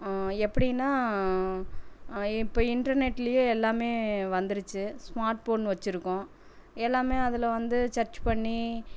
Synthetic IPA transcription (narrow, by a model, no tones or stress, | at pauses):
ɛpːɐɽinːaː | ɪpːoːɪɳɖɐɾnɛʈːɪlɐjoɛlːaːmeːʋɐnd̪ɯɾɯt͡ʃːɯsmaːɾʈ̚poːnʋɐt͡ʃːɪɾɯkːʊ̃ | ɛlːaːmeːɐðɪlɐʋɐnd̪ɯt͡ʃɐɾt͡ʃpɐɳːi